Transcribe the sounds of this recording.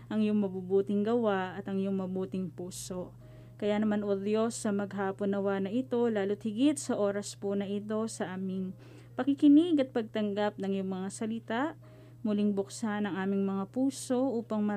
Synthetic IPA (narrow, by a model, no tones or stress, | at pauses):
ʔɐŋjʊŋmɐbubuːt̪ɪŋɡɐwaʔɐt̪ɐŋjʊŋmɐbuːt̪ɪŋpuːso̞ʔ | kɐjanɐmanʔod̪jo̞sːɐmɐɡɦaːponːɐwanɐʔɪt̪o̞laːlot̪̚hɪɡɪt̪̚sɐʔo̞ːɾɐsponɐʔɪt̪o̞sɐʔaːmɪŋ | pɐkɪkɪnɪɡɐt̪̚pɐɡ̚t̪ɐŋɡap̚nɐŋjʊŋmɐŋasɐlɪt̪aʔ | mʊlɪŋbʊksanɐŋʔaːmɪŋmɐŋapuːso̞ʔuːpɐŋmɐ